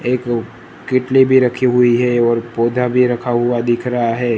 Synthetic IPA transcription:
eːk | kɪʈlibʱiɾɐkʰiɦʊiɦɛɔːɾpoːd̪ʱabʱiɾɐkʰaɦʊad̪ɪkʰɾɐɦaɦɛː

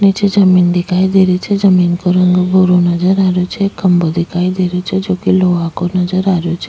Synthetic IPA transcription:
nit͡ʃed͡ʒəmind̪ikʰaid̪eɾit͡ʃʰed͡ʒəminkoɾəŋɡbʱoɾunəd͡ʒəɾaɾjot͡ʃʰekəmbod̪ikʰaid̪eɾet͡ʃʰed͡ʒokiloʋakonəd͡ʒəɾaɾjot͡ʃʰe

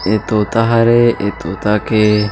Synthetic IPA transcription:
et̪ot̪aɦaɾeʔet̪ot̪ake

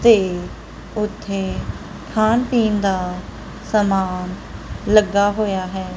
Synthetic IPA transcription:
t̪eː | ʊt̪ʰːeː | kʰaːnpiːnd̪aː | səmaːn | ləɡːaːɦoːjaːɦɛː

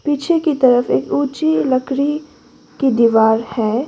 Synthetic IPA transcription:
piːt͡ʃʰekit̪ɐɾəfeːkuːt͡ʃilɐkɾi | kid̪iːʋaːɾhɛː

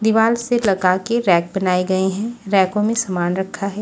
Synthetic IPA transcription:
d̪ɪʋaːlselɐɡakeɾɛ̃ːk̚bɐnaːeɡɐeɦɛ̃ɾɛ̃ːkõmẽsɐmaːnɾɐkʰːaɦɛː

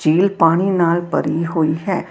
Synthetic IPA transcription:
d͡ʒiːlpaːɽ̃inaːlpɐ̰ɾiɦoːiɦɛː

